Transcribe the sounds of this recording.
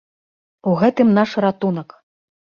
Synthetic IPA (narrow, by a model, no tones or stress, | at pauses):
uɣɛt̪ɨmnaʂrat̪unɐk